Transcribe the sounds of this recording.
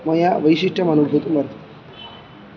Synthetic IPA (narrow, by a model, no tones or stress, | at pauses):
mɐjaʋəjʃiʂʈʰɐmɐnubʱut̪mɐɾt̪ʰ